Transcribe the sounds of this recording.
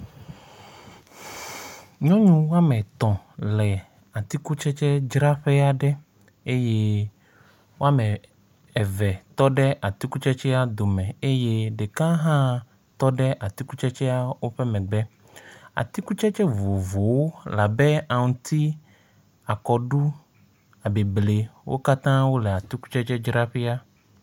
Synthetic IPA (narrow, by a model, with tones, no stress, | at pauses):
ɲɔ̃˦ɲũ˦wo˦a˦mɛ̃˨t̪ɔ̃˨ | lɛ˨ | a˨t̪i˦ku˦t͡ʃɛ˦t͡ʃɛ˦d͡ʒɾa˦ɸɛ˦a˦ɖɛ˦ | e˦je˦ | wo˦a˦mɛ̃˨ | ɛ˨vɛ˨t̪ɔ˦ɖɛ˦ʔa˨t̪i˦ku˦t͡ʃɛ˦t͡ʃɛ˦a˦d̪o˨mɛ̃˨e˦je˦ɖe˨kã˦ɦã˦ | t̪ɔ˦ɖɛ˦ʔa˨t̪i˦ku˦t͡ʃɛ˦t͡ʃɛ˦a˦wo˦ɸɛ˦mɛ̃˨ɡ͡bɛ˦ | a̰˨t̪i˦ku˦t͡ʃɛ˦t͡ʃɛ˦vo˨vo˨wo˦la˨bɛ˦a˨ŋũ˨t̪i˦ | a˨kɔ˨ɖu˦ | a˨be˨ble˨wʔo̰˦ka˦t̪ã˦wo˦lɛ˨a˨t̪i˦ku̥˦t͡ʃɛ˦t͡ʃɛ˦d͡ʒɾa˦ɸɛ˦a˦